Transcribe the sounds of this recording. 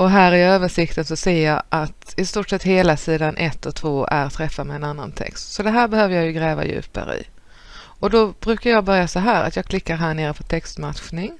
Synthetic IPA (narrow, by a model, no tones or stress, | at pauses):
ʔɔɦæːɾɪøːvəʂɪkt̪ənsɔseːjɑːʔat̪ɪst̪uːʈʂɛt̪ːheːlasiːd̪anʔɛt̪ʰːɔt̪ʰvoːæ̰ɾt̪ʰɾɛfːad̪mɛɛnanːa̰nt̪ʰɛ̰kst̪sɔd̪ɛɦæːɾbɛhøːvəjaːjɵɡɾɛːva̰jʉ̟̰ːpa̰ɾə̰ɪ̰ | ɔd̪ɔb̥ɾʉ̟ːkaɾjɑːɡbœɾjasɔɦæːɾa̰t̪jɑːkʰlɪkːaɾɦæːɳeːɾəpʰɔt̪ʰɛkst̪mat̪ɧnɪŋ